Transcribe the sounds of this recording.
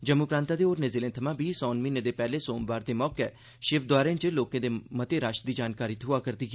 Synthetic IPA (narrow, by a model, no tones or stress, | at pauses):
d͡ʒəmuːpɾãːnt̪aːd̪eːoːɾnezɪːlẽːt̪ʰəmãːbʱiːsɔːnmiːnẽːd̪eːpɛːleːsoːmʋaːɾd̪eːmɔːkɛ | ʃɪʋd̪ʊaːɾẽːnt͡ʃəloːkẽːd̪eːmət̪eːɾaːʃd̪iːd͡ʒaːnkaːɾiːt̪ʰʊaːkəɾd̪iːki